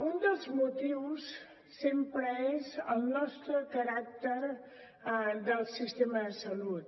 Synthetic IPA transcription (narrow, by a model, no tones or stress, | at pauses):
und̪əlˠzmut̪iws | sempɾəezəlˠnɔst̪ɾəkəɾak̚t̪əɾ | d̪əlˠsist̪eməðəsəlut̪̚